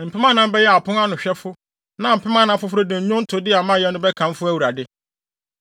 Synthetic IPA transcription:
m̩˨pʰɛ˦mã˦nã˨˦m̩˦bɛ˦jɛ˦a˨pʰʊ̃˦na˦nʊ̃˨ɕᶣɛ˦fʊ˦ | nã˨m̩˨pʰɪ˦mã˦nã˦fʊ˦fʊ˦ɾo˦dɪ̃˨ɲ̩˦ɲʊ̃˦n̩˦tʰʊ˨˦dɪ˦a˨mã˦˨jɛ˦nʊ̃˦bɛ˦kʰã˨m˦fʊ˦æ˦wu˨ɾa˨dɪ˦

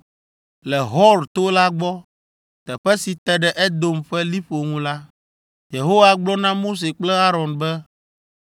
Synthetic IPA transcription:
lɛ˨ɦɔ˦lt̪o˦la˦ɡ͡bɔ˦ | t̪ɛ˨ɸɛ˦si˨t̪ɛ˨ɖɛ˨ʔɛ˦d̪o˦mɸɛ˦li˦ɸo˨ŋũ˦la˦ | je˨ɦo˦wa˨ɡ͡blɔ˦nã˦mo˦s̬e˨k͡plɛ˦a˦ɾɔ˨nbɛ˦

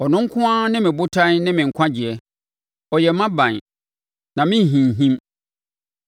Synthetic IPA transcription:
ɔ˨nʊ̃˦ŋ̩˦kʰʊ̃˦ã˦nɪ̃˦mɪ̃˨bʊ˦tʰã˦nnɪ̃˦mɪ̃˨ŋ̩˨kʰʷã˦d͡ʑɪ˨ɛ˦ | ɔ˨jɛ˨mã˦bã˨n˨ | nã˨mɪ̃˦˨ɦĩ˨ɦĩ˦m

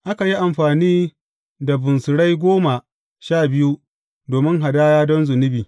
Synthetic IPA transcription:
ʔa˦ka˨ji˦ʔa˨mɸaː˨niː˦ | da˨bʊ˨nsʊ˨ɽa˦jɡʷoː˦ma˨ | ʃaː˦˨bɪ˦ju˦ | doː˨mɪ˦ŋɦa˨daː˦jaː˦dɔ˦nzʊ˨nɪ˦biː˨

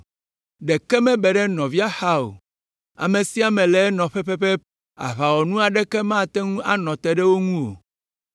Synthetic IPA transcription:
ɖe˨kɛ˦mɛ̃˦bɛ˨ɖɛ˦nɔ̃˨vi˦a˦xa˦o̰˨ | a̰˨mẽ˨si˦a˨mɛ̃˨lɛ˨˦nɔ̃˨ɸɛ˦ɸɛ˦ɸɛ˦ | a̰˨βa˨wɔ˨nũ˦a˨ɖɛ˦kɛ˦mã˦˨t̪ɛ˦ŋũ˦a˦nɔ̃˨t̪ɛ˦ɖɛ˦wo˦ŋũ˦wo̰˨

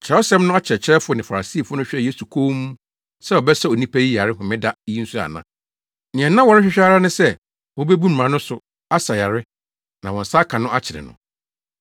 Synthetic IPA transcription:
t͡ɕʰɛ˨ɔ˦sɛ˦mnʊ̃˦a˦t͡ɕʰɪ˨ɾɛ˨t͡ɕʰɪ˦ɾɛ˦fʊ˦ɔ˦nɪ̃˨fa˨a˨si˦˨fʊ˦nʊ̃˦ɕᶣɛ˦˨je˦su˨kʰo˦mũ˦ | sɛ˦ɔ˨bɛ˦sɛ˦o˨nĩ˦pʰæ˦ji˦ja˨ɾɪ˦ɦʊ̃˨mɪ̃˦da˦i˦n̩˦su˦a̰˨nã̰˨ | nɪ̃˨ɛ̃˨nã˦wɔ˨ɾɪ˦ɕᶣɪ˦ɕᶣa˦ɾa˦nʊ̃˦sɛ˦ | wɔ˦bɛ˦bu˦m̩˨ã˨˦nʊ̃˦sʊ˨ | a˦sa˨ja˨ɾɪ˦ | nã˨wɔ̃˨n̩˨sa˦kʰã˨nʊ̃˦a˦t͡ɕʰɪ˨ɾɛ̰˨nʊ̰̃˨

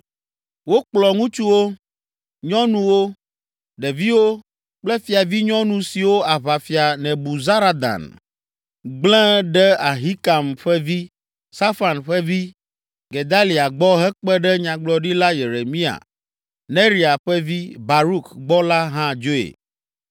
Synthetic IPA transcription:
wo˦k͡plɔ˨ŋũ˦t͡ʃu˦wo˦ | ɲɔ̃˦nũ˦wo˦ | ɖɛ˨vi˦wo˦ | k͡plɛ˦fi˨a˨vi˦ɲɔ̃˦nũ˨si˨wo˦a˨βa˨fi˨a˨nɛ̃˨bu˨za˦ɾa˦d̪a̰˨n | ɡ͡blɛ̃˦ɖɛ˦a˨ɦi˦ka˨mɸɛ˦vi˦ | sa˦fa˨nɸɛ˦vi˦ | ɡe˨d̪a˦li˨a˨ɡ͡bɔ˦ɦɛ˦k͡pɛ˦ɖɛ˦ɲã˨ɡ͡blɔ˨ɖi˦la˦je˨ɾe˨mĩ˦a̰˨ | nẽ˦ɾi˨a˨ɸɛ˦vi˦ba˨ɾu˦kɡ͡bɔ˦la˦ɦã˦d͡ʒo˦ḛ˨

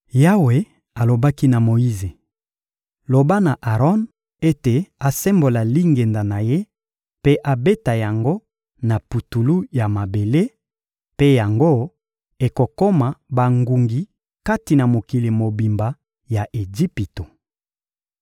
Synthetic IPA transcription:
ja˦we˨ | a˨lo˨ba˦ki˦na˨mo˨ji˦ze˨ | lo˨ba˦na˨ʔa˨ʁɔ˦n | e˦te˨a˨sɛ˦mbo˨la˨li˦ŋɡe˨nda˨na˨je˦ | pe˦ʔa˨be˦ta˨ja˨ŋɡo˦ | na˨pu˨tu˨lu˦ja˨ma˨be˨le˦ | pe˦ja˨ŋɡo˦ | e˨ko˨ko˦ma˨ba˨ŋɡu˨ŋɡi˨ | ka˦ti˨na˨mo˨ki˨le˨mo˨bi˨mba˨ | ja˨ʔe˨d͡ʒi˦pi˨to˨

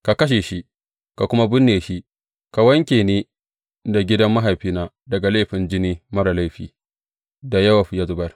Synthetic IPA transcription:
ka˨kɐ˦ʃ̬eː˨ʃi˦ | ka˨kʷʊ˦ma˦bʊ˦nːeː˨ʃi˦ | ka˨wɐ˦ŋkʲeː˨ne˦ | da˨ɡʲɪ˦dɐ˦mːɐ˦ɦa˨jɸiː˦naː˦ | dɐ˨ɡa˨la˦˨ɸɪ˨nd͡ʒɪ˦niː˦mɐ˦ɾa˨la˦jɸiː˨ | da˨jɐ˦wa˨ɸja˦zʊ˨bɐ˦r

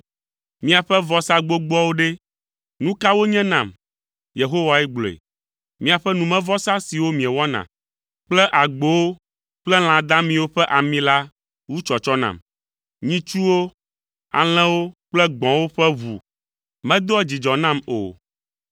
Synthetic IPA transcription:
mĩ˦a˨ɸɛ˦vɔ˦sa˦ɡ͡bo˦ɡ͡bɔ˦wo˦ɖe˦ | nũ˦ka˦wo˦ɲɛ̃˦nã˨m | je˨ɦo˦wa˨ɛ˦ɡ͡blḛ˨ | mĩ˦a˨ɸɛ˦nũ˨mɛ̃˦vɔ˦sa˦si˨wo˦mĩ˨ɛ˨wɔ˦nã̰˨ | k͡plɛ˦ʔa˨ɡ͡bo˨wo˦ | k͡plɛ˦l̃ã˨d̪ã˦mĩ˦wo˦ɸɛ˦ʔa˨mĩ˦la˦ | wu˦t͡ʃɔ˨t͡ʃɔ˦nã̰˨m | ɲĩ˦t͡ʃu˦wo˦ | a̰˨l̃ɛ̃˦wo˦k͡plɛ˦ɡ͡bɔ̃˨wo˦ɸɛ˦βṵ˨ | mɛ̃˦d̪o˦ɛ˦d͡ʑi˨d͡ʒɔ˨nã˦mo̰˨

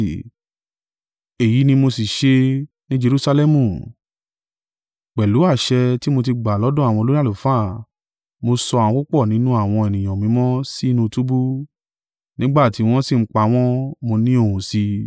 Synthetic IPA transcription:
e˨ji˨˦nĩ˧mo˧si˨ʃe˧ | nĩ˦d͡ʒe˧ɾu˨˦sa˧lɛ˦mũ˨ | k͡pɛ˨lu˨˦a˦˨ʃɛ˧ti˦mo˧t̬i˧ɡ͡ba˨lɔ˨˦dɔ̃˦a˨w̃ɔ̃˧lo˦i˦a˦˨lu˨fa˦˨ | mo˧sɔ˧a˨wɔ̃˧˦ko˦k͡pɔ˦˨nĩ˨˦nũ˦a˦˨w̃ɔ̃˧e˨nĩ˨j̃ɔ̃˨mĩ˨˦mɔ̃˦si˦nũ˧tu˦bu˦ | nĩ˦ɡ͡ba˦˨ti˨˦w̃ɔ̃˦si˦˨ŋ͡m̩˦k͡pa˧˦w̃ɔ̃˦mo˧nĩ˦o˦˨hũ˨si˧

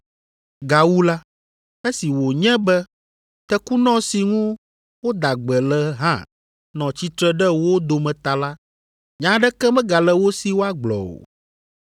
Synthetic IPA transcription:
ɡa˨wu˦la˦ | e˦si˨wo˨ɲɛ̃˦bɛ˦ | t̪ɛ˦ku˦nɔ̃˦si˨ŋũ˦ | wo˦d̪a˨ɡ͡bɛ˨lɛ˨ɦã̰˦ | nɔ̃˨t͡ɕi˦t̪ɾɛ˦ɖɛ˦wo˦d̪o˨mɛ̃˨t̪a˨la˦ | ɲã˦ɖɛ˦kɛ˦mɛ̃˦ɡa˨lɛ˨wo˦si˨wo˦a˦ɡ͡blɔ̰˨o̰˨

